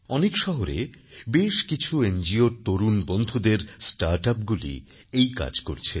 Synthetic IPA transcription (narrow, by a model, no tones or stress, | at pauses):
ɔnekʃɔɦoɾḛ | beʃkit͡ɕʰuend͡ʑioɾt̪oɾunbond̪ʱud̪eɾsʈaɾʈapɡulḭ | ejka̰d͡ʑko̰ɾt͡ɕʰe